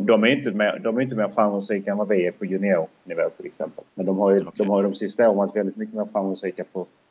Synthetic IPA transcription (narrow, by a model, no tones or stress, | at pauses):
d̪ɔmæɾjʏnt̪əmɛd̪ɔmɛɾjʏnt̪əmɛafamusɛjkanvaveɛpʰɔjɵnɪɛʊnɪvɛːt̪ʰɪlɛ̰ksɛ̰mpəlmɛnd̪ɔmɦaɾjɵd̪ɔmhaɾjəd̪ɔmsɪst̪aɔːɾmvat̪vɛld̪ɪt̪mʏkːəmɛːɔfamʊsɛkapʰɔ